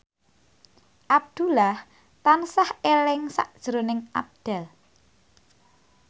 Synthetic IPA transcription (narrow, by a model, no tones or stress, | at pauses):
ʔab̚d̪̥ṳlah | t̪ansahelɪŋsa̰ʔd̥ʒ̥əɾonɪŋʔa̰b̚d̪̥ɛ̤l